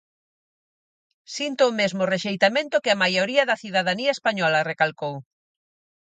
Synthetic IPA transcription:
sint̪oːmezmʊreʃejt̪amẽnt̪ʊkɪamajoɾiɐðɐθiðaðaniɐespaɲɔlɐrekalkow

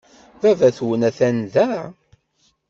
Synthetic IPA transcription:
vævæθwənæθænðæ

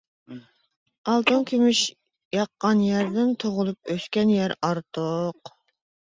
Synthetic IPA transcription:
ɑlˠt̪uŋkʲʰimɪʃ | jɑqːɑnjæɾd̪ɪnt̪ʰoʁʊlˠup̚øskʲɛnjɛɾɑɾt̪ʰoq

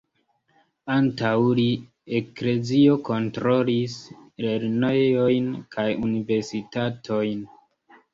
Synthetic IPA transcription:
antawli | ekle̞zio̞ko̞ntɾolisɾe̞ɾnojo̞jnkʰajunive̞ɾsitatʰo̞jn

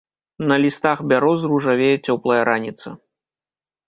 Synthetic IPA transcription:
nɐlʲist̪axbʲaɾɔzruʐavʲejɛt͡sʲɔplˠɐjɛɾanʲit̪sɐ̰

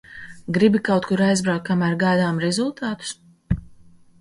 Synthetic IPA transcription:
ɡɾibikawt̪̚kuɾajzbɾawk̪̚kːamæːɾɡajd̪aːmɾɛzulˠt̪aːt̪u̥s

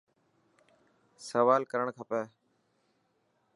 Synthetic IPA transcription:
səʋaːlkəɾəɳkʰəpɛː

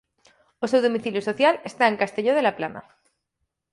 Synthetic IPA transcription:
ose̞wðo̞miθiljuso̞θjale̞st̪aeŋkast̪e̞ʎoð̞elaplana̰

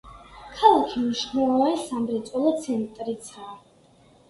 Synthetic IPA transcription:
kʰalˠakʰimniʃχnɛlˠɔvasamɾit̪sʼɔlˠɔt̪sʰɛnt̪ʼɾit̪sʰaː

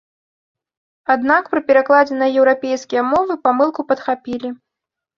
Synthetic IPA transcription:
ad̪nakpɾɨpʲɛɾaklˠad͡zʲɛnɐjɐjɛwɾapʲejskʲijɐmɔvɨpamɨlˠkupɐt̪xapʲilʲi

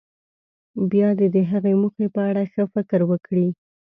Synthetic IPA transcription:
bjɑd̪ed̪əɦaɣemuxepəaɽaxəfɪkəɾwəkɽi

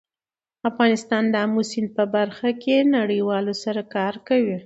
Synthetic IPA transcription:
afɣɑnɪst̪ɑnd̪əamusɪnd̪̚pəbaɾxakenaɽəjwɑlosaɾakɑɾkawi

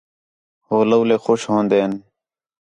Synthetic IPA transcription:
ɦoːləwleːxoːʃɦõːnd̪eːn

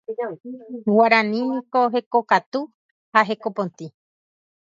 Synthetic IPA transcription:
waɾãnĩnĩkoɦe̞kokat̪u | haɦe̞kopõnt̪ĩ

